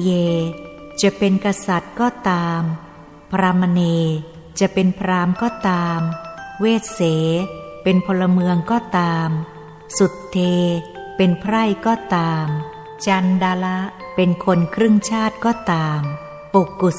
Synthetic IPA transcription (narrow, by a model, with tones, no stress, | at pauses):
jeː˧ | t͡ɕa˨˩pe˧nka˧sa˨˩t̪̚kɔː˥˩t̪aː˧m | pʰa˧ɾa˧ma˧neː˧ | t͡ɕa˨˩pe˧npʰɾaː˦˧˥mkɔː˥˩t̪aː˧mweː˥˩t̪̚seː˩˦pe˧npʰɔ˧la˧mɯ˧əŋkɔː˥˩t̪aː˧m | su˨˩t̪ʰːeː˧pe˧npʰɾa˥˩jkɔː˥˩t̪aː˧m | t͡ɕa˧ndaː˧la˦˥ʔpe˧nkʰo˧nkʰɾɯ˥˩ŋt͡ɕʰaː˥˩t̪̚kɔː˥˩t̪aː˧m | pu˨˩kːu˨˩